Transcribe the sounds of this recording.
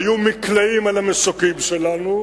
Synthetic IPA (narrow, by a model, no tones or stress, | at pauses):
jumiklaimalamesokimʃelanu